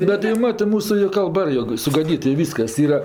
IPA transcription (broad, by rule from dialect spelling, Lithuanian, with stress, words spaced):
ˈbʲɛt jɛʊ ˈmɑːtɜ ˈmuːsʊ ɪr kɐlˠˈbɐ ˈjoːk sʊɡɐˈdʲiːt ɪ ˈʋʲiːskɐs ˈiːrɐ